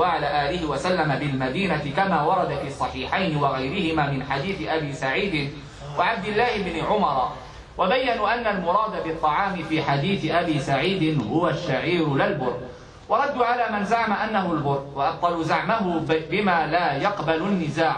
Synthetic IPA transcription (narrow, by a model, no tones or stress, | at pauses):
aːʕalaːʔaːlɪɦɪwasalːamabɪlmad̪iːnat̪ɪkamaːwɑɾˤɑd̪afiːsˤːɑħiːħajnɪwɑɣajɾɪhɪmaːmɪnħad̪iːθɪʔabiːsaʕiːd̪ɪn | waʕab̚d̪ɪlːaːhɪbnɪʕʊmɑɾˤ | wabajːanuːʔanːalmʊɾˤɑːd̪abɨt̪ˤːɑʕɑːmɪfiːħad̪iːθɪʔabiːsaʕiːd̪ɪnhʊwaʃːaʕiːɾlɪlbʊr | wɑɾˤɑd̪ːuʕalaːmanzaʕamaʔanːaɦʊlbʊɾwɑʔɑb̚t̪ˤɑluzaʕmaɦʊbɪmaːlaːjɑqbalʊnːɪzaːʕ